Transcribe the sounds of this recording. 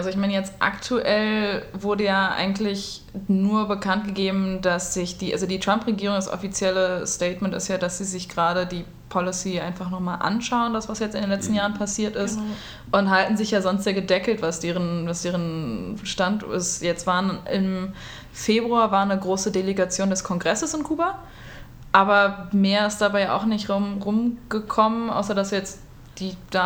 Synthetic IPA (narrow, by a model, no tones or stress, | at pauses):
ʔalzoɪçmaɪnəjɛt͡stʔa̰ktʰuʔɛlvʊɐdəjaːʔa̰ɪɡŋ̩tlɪç | nuːɐbəkʰant̚ɡ̥əɡeːbm̩dasz̥ɪçd̥iːʔa̰lzodiːtʁ̥ampʁeɡiːʁ̞ʊŋdasʔɔ̰fit͡sjɛləstɛɪtmɛntɪ̰stjaːdasz̥iːzɪçɡ̥əʁaːɾədiː | pʰɔlɪsiːʔaɪnfaχnɔχmaːlʔa̰nʃaʊəndasv̥asjɛt͡stɪndeːnlɛt͡stn̩jaːʁənpʰasiːɐtɪst | ʔʊnthaltn̩zɪçjaːzɔnstz̥eːɐɡədɛkl̩tv̥asd̥eːʁənvasd̥eːʁənʃtantɪ̰sjɛt͡stv̥aːnɪm | feːbʁuaːvaːɐnəɡʁoːsədeleɡat͡sjoːndɛskʰɔŋɡʁɛsəsɪnkʰuːba | ʔaːbɐmeːɐɪstd̥abaɪʔa̰ʊxnɪçtʁʊmʁʊmɡ̥əkʰɔmənʔa̰ʊsɐdasjɛt͡st | d̥iːd̥a